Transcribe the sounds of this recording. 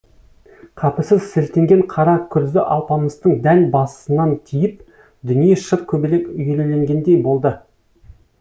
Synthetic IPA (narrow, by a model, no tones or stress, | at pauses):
qʰɑpəsəzselt̪e̞ŋɡʲe̞ɴqʰɑɾɑkʲʰʏɾzɪʔɑlˠpɑməst̪əɴd̪ænbɑsə̥sənɑnt̪ʲʰijɪp̚ | d̪ʏnijeʃəɾkʲʰɵbɪlekʏjelele̞ŋɡʲe̞nd̪e̞jbo̞lˠd̪ə